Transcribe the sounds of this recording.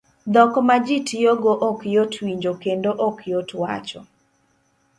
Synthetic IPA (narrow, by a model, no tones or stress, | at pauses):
d̪ɔkɔmad͡ʒitjoɡoʔɔkjotʰwiɲd͡ʒokendoʔɔkjotwa̰t͡ʃɔ